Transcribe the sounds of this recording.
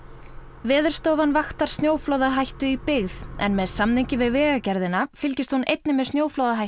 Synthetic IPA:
vɛːðʏɾ̥st̪owvanvaxt̪aɾ̥st̪njoːwfloːwðaɦajht̪ʏipɪɣðɛ̰nmɛðsamnejɲcɪvɪðvɛːɣacɛɾðɪnafɪlcɪst̪hunejt̪̚nɪmɛðsnjoːwflowðaɦajt̪

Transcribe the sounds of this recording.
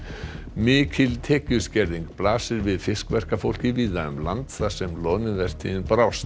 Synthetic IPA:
mɪːcʰɪlt̪ʰɛːcʏ̥scɛɾðiŋkplaːsɪɾvɪðfɪskvɛr̥kafowl̥cɪviːðaʏmlant̪θasɛmlɔːnʏvɛr̥t̪ʰḭɪnpɾaws

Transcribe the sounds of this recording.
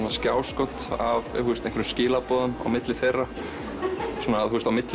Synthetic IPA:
nascaːwskɔt̪a̰vθust̪ẽjŋkvɾʏmscɪːlapɔːðʏna̰wmɪt̪lɪθejra | suːnaðθust̪awmɪt̪l

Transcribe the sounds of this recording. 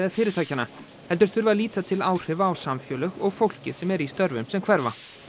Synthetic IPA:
aðfɪːɾɪɾt̪ʰaːjcana | hɛlt̪ʏɾ̥θʏɾvaliːt̪at̪ʰɪlaːwr̥ɪvaːwsamfjœːlœɣɔɣfowl̥cɪ̰ð̥sɛmɛɾist̪œɾvʏmsɛmkʰv̥ɛɾva̰

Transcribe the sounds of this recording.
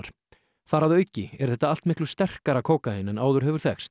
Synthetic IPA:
ɾ̥ | θaɾaðœɥcːɪɛɾ̥θɛht̪aal̥t̪mɪhklʏ̥st̪ɛr̥kaɾakʰoːwkaɪnɛnaːwðʏɾ̥ɦɛvʏɾ̥θɛ̰xst̪

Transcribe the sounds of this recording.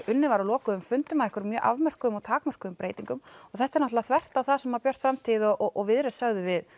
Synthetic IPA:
ʏnːɪvaɾalɔːkʏʏmfʏnt̪ʏmaðɛhkʏɾmjœːʔavmɛr̥kʏʏmɔɣt̪ʰaːkmɛr̥kʏʏmpɾeːjt̪iŋkʏmɔɣθɛht̪aɛɾnat̪laθvɛr̥t̪aθaðsɛmhaɾpjœr̥t̪fɾamt̪ʰiːðɔʔɔʔɔɣvɪðɾɪsaɣðʏvɪð

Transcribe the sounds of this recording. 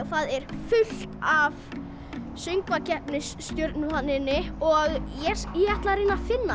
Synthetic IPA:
θaðɛɾ̥fʏl̥t̪av | sʏŋkvacɛhpnɪsst̪jœɾt̪nʏhanːɪnːɪɔɣjɛjɛɛht̪laɾriːnafɪnːa

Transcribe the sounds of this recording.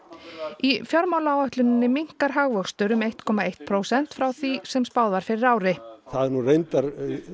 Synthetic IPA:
ifjɔɾmaːwlaawœht̪lʏnɪnːɪmiŋ̥kaɾ̥ɦaɣvœkst̪ʏɾʏmeht̪kʰɔːmaejht̪̚pʰɾowsɛn̥t̪fɾawθisɛmspawðvaɾ̥fɪɾɪɾaːwɾɪθaðɛɾnurejnt̪aɾ

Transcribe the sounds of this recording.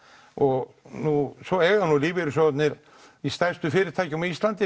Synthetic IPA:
ɔɣ | nusɔɛːɣanuliːvɪɾʏsɔt̪nɪɾ | ist̪ɛ̥st̪ʏfɪːɾɪɾ̥t̪ʰaːjcɪmist̪lant̪ɪ

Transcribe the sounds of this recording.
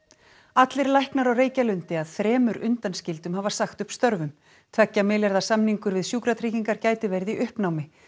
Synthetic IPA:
at̪lɪɾlajhknaɾawreːjcalʏnt̪ɪaðθɾɛːmʏɾʔʏnt̪anscɪlt̪ʏmhavḁsaxt̪ʏhpst̪œɾvʏm | t̪ʰvɛcːamɪlɛɾðasamniŋkʏɾvɪðsjuːkɾat̪ʰɾiːciŋkaɾcaːjt̪ɪvɛɾðiʔʏhpnawmɪ

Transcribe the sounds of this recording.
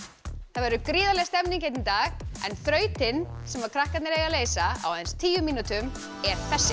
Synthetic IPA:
θaðvɛɾʏkɾɪːðalɛɣst̪ɛmninŋcejt̪nt̪aːɣɛnθɾœːɥt̪ɪnsɛmvaɾkʰɾahkat̪nɪɾɛɣaleːjsaa̰wðɛnst̪ʰiːjʏmiːnut̪ʏm | ɛɾ̥θɛsːɪ

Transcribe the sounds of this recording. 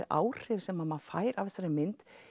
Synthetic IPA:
ðʔa̰ːwr̥ɪvsɛmaðmaðfa̰ːjɾavɪst̪aɾɪmɪnt̪

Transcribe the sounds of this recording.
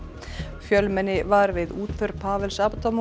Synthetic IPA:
fjœlmɛnːɪvaɾvɪðuːt̪fʏɾpʰaːvɛlsapat̪ʰam

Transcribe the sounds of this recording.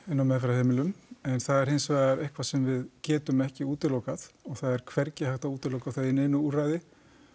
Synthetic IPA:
ɪnːawmɛðfɾaheːmɪlʏmɛnθaðɛɾ̥hɪnsvaaɾehkʰvḁsɛmvɪðcɛːt̪ʏmɛhcɪuːt̪ɪlowkaðɔɣθaðɛɾ̥kʰvɛɾcɪhawht̪auːt̪ɪlowkaθaðɪneːjnʏuːraːjðɪ

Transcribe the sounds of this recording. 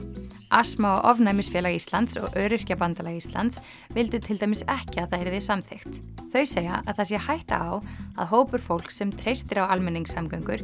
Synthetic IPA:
asmaɔɣʔɔvnajmɪsfjɛːlaɣist̪lant̪sɔ̰ɣœːɾɪr̥capant̪alaɣist̪la̰nt̪s | vɪlt̪ʏt̪ʰɪlt̪ajmɪsɛhcɪaðθaðɛɾðɛ̥samθext̪θœɥseːja̰ʔaðθasjɛhajht̪a̰awa̰ðɦoːwpʏɾ̥fowl̥ksɛmt̪ʰɾejst̪ɪɾawalmɛnːiŋksamkœɥŋkʏɾ̥

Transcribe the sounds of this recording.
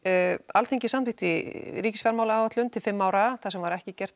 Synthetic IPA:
alt̪ʰeɲcɪsamɪht̪ɪɾiːcɪsfjaɾmawlaaːwvat̪lʏnt̪ʰɪlfɪmːaːwɾaθasɛmvaɾɛhcɪcɛr̥t̪

